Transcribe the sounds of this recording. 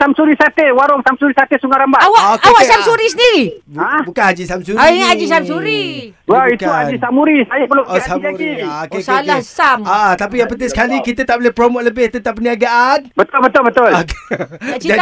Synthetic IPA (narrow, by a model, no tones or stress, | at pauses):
samsuɾisat̪ewaɾʊŋsamsuɾisat̪esuŋaɾambaawaʔokːwaksamsuɾisəndiɾibabukanhad͡ʒisamsuaiɲaad͡ʒisamsuɾi | waitkuad͡ʒisamuɾisajapəlusad͡ʒaɾiokeslkahsamaʔat̪apijapət̪ɪsə̥kalikit̪ət̪aʔbolehpɾomoʔləbɪht̪ənt̪ap̚ːəniaɡaʔanbət̪ʊlbət̪ʊlbət̪ʊlokead͡ʒa